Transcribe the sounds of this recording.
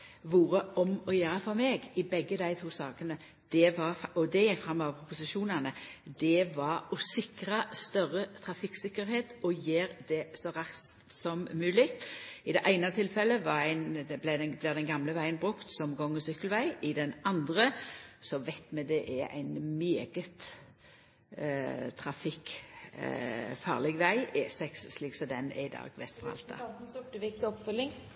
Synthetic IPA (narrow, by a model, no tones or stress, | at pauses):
ʋuːɾəʔɔmɔjæːɾəfɔɾmɛːɡɪbɛɡːəd̪æɪt̪ʰuːsɑːkənə | d̪̥ɛʋɑɔd̪ɛjɛɡfɾɑmːɔʋəpʰʊpʊsɪʃuːnənəd̪ɛʋɑɾɔsɪkɾɑst̪œɾət̪ʰɾɑfɪksɪkːəɾheːt̪ɔjeːɾd̪ɛsɔɾɑsst̪sɔmːʉːlɪkt̪ɪd̪ɛʔæɪnɑt̪ʰɪlfɛlːəʋɑæɪnb̪æblæd̪ɛnɡɑmləʋæɪənbʁʉkt̪sɔmɡɔŋːəsʏkːəlʋæɪɪd̪ɛnɑnd̪ʁəsɔʋæɪt̪mɛd̪ɛʔɛʔæ̰ɪnmeːɡət̪ | t̪ʰɾɑfɪkː | fɑ̰ːʁlɛɡʋæɪeːsɛksːliːksɔd̪ɛnɛ̰ɪd̪ɑ̰ːɡʋɛ̰st̪fɔʁɑ̰lt̪ɑ̰sʊʈːəʋɪk̚t̪ɪɔpfœlːɪŋ